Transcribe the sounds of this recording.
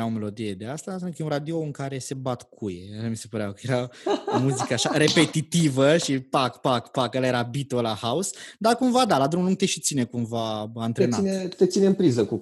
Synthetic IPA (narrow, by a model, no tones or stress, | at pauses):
ɾaome̞lo̞d̪ije̞d̪e̞ast̪asamnəkəjeũnɾad̪ioɨŋkaɾe̞se̞bat̪kʰujḛaʃamise̞pəɾeakəje̞ɾamuzikəaʃaɾe̞pe̞t̪it̪ivəʃipakpakpakalaeɾabit̪olahausd̪akumvad̪alad̪ɾumuluŋɡ̚t̪e̞ʃit̪sinekumvaant̪ɾenanet̪et̪sineɨmpɾizəku